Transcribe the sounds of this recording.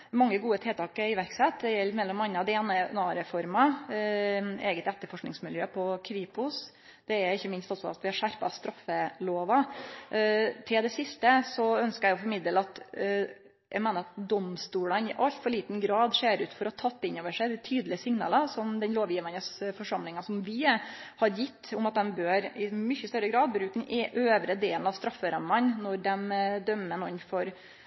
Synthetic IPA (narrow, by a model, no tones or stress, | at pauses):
mɑŋːəɡuːət̪ʰɪlt̪ʰɑːkəɪʋæɾksɛt̪d̪ɛjɛlːmɛlːɔmɑnːəɑd̪eːnənɑːɾɛfɔɾmɑ | eːɡət̪ɛt̪ːəɾfɔʂknɪŋsmɪljøːpʰɔkʰʋiːpʊs | d̪̥ɛɛɾɪçːəmɪnst̪ɑlsɔɑ̰t̪ʋɪhɑɾʂæɾpɑ̰st̪ɾɑfːəloːʋɑ | t̪ʰɪld̪ɛsɪst̪əsɔœnskəɾæɪɔfɔɾmɪd̪əlɑt̪ | jʔæɪmeːnəɾɑt̪̚d̪ɔmst̪uːlənɪʔɑlt̪fɔɭiːt̪nɡɾɑːd̪ʂeːɾʉːt̪fɔɾɔɑt̪ʰɑt̪ːɪnːoːʋəʂæɪd̪æt̪ʰyːd̪lɪəsɪŋnɑ̰ːləsɔmd̪ɛnloːʋjiːʋənəsfɔʂɑmlɪŋɑsɔmʋɪhɑɾjɪt̪ːʊmɑt̪̚d̪ɛmbøːɾɪmʏçːəst̪œɾːəɡɾɑːd̪̚bɾʉːk̚d̪ɛnʔøːʋɾəd̪eːln̩ɑʋst̪ɾɑfːəɾɑmːɑnnɔɾɖ̪ɛmd̪œmːənɔnfɔɾ